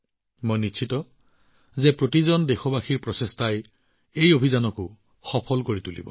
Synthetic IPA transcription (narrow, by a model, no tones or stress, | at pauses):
mojnit͡ʃʰitɔ | zɛpɹotizɔndexɔbaxiɹpɹɔsestaj | ejobʱizanɔkʊ | xɔpʰɔlkoɹitulḭbɔ̰